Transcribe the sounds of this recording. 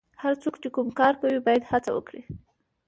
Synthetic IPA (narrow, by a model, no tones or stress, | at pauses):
haɾt͡sokt͡ʃekumkɑɾkawibɑjad̪hat͡sawə̰kɽi